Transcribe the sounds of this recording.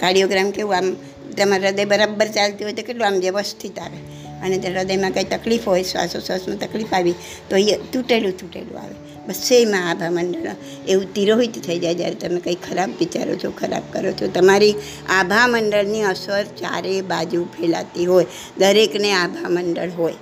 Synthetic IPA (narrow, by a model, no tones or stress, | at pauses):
kaɽijoɡɾamkeũam | t̪əmaɾɾəd̪əjbəɾabːəɾt͡ʃalt̪iɦojt̪okeʈluamʋjəʋəst̪ʰit̪aʋe | əned͡ʒəɾəd̪əjmãkait̪əklifɦojsʋa̰sosəsmãt̪əklifaʋi | t̪oit̪uʈelũt̪uʈḛlṵa̰ʋe | bəsemãabʱaməɳɖəɭ̰ | eũt̪iɾoɦit̪t̪ʰəid͡ʒaed͡ʒ̪ja̰ɾet̪əmẽkəikʰːəɾabʋit͡ʃa̰ɾo̰t͡ʃʰokʰəɾa̰bkəɾot͡ʃʰot̪əmaɾi | abʱaməɳɖəɭniəsəɾt͡ʃa̰ɾebad͡ʒupʰela̰t̪iɦoj | d̪əɾekneabʱaməɳɖə̰ɭɦoj